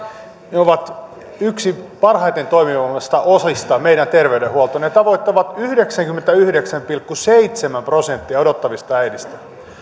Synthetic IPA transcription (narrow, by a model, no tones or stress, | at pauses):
neoʋɑt̪ | yksipɑrhɑjt̪e̞nt̪o̞imiʋɑlmest̪ɑʔosist̪ɑmeiɾænt̪e̞rʋeydehuolt̪onet̪ɑʋo̞it̪ːɑʋɑt̪yhde̞ksæŋkymːent̪æyhdeksæmpilkːuseit̪semæmpro̞sent̪ːiɑo̞dot̪ːɑʋist̪ɑæjnist̪æ